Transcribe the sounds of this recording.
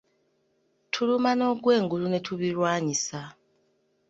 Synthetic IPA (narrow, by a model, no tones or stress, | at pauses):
tʰulumano̞ːɡwe̞ːŋɡulune̞tʰuβilwaːɲisa